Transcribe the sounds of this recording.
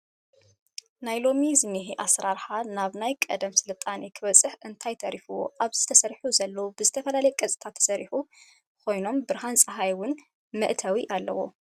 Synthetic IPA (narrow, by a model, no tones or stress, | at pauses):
najlo̞mizɨniɦiʔasɾaɾħanaβnajkʼɐ̰d̪ɐmsɨlɨt̪ʼːanikʰɨβɐt͡sʼɨħʔɨnt̪ʰajt̪ʰɐɾifuwo̞̰ʔaβz̥ɨt̪ʰɐsɐɾħuzɐlːɐwubɨzɨt̪ʰɐfɐlalɐjɛkʼɐt͡sʼi̥t̪ʰat̪ʰːɐ̥sɐɾiħu | kʰo̞jno̞mbɨɾɦansʼɐɦajwʊn | mɨʔt̪ʰɐwiʔalːɐ̰wo̰